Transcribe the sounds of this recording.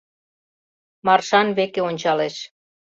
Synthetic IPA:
mɑrʃɑnβekeonʲt͡ɕɑleʃ

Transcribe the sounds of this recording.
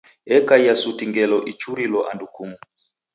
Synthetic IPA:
ɛkaijasutiŋɡɛlɔʔit͡ʃuɾilɔʔandukumu

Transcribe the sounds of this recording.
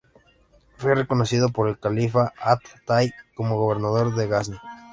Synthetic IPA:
fwe̞re̞ko̞nosiðo̞po̞ɾe̞lkalifaat̪ːajko̞moɣoβ̞e̞ɾnaðo̞ɾðe̞ɣasna

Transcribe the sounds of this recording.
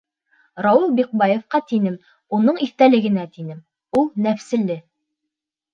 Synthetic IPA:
ɾɑwɤlˠbiq̚bɑjofqɑt̪inɘm | unɤɴiθt̪ælɘ̆ɡɘ̆næt̪inɘm | ulˠnæfsɘ̆lɘ

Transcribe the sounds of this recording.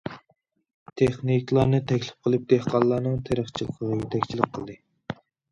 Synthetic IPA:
t̪ʰeχnikʲlˠɑɾnɨt̪ʰɛkʲlɪ̥p̚qʰəlˠɨp̚t̪eqɑlˠːɑːnɨŋt̪ʰeɾəχt͡ʃʰilˠəqʰəʁɑjyt̪ʰɛkʲt͡ʃʰilɪk̚qʰəlˠd̪ɨ

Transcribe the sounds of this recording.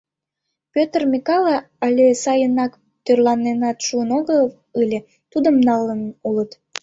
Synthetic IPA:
pʲøt̪ərmʲikɑlɑ | ɑlʲesɑjənɑk | t̪ørlɑnenɑt̪ʃuənoɣə | ɯlʲe | t̪ud̪əmnɑlənulət̪

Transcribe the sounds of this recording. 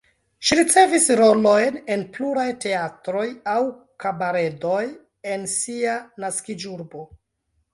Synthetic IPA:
ʃiɾit͡se̞visɾo̞lo̞jne̞npluɾajte̞atɾo̞jaw | kabaɾe̞do̞j | e̞nsianaskid͡ʒuɾbo̞

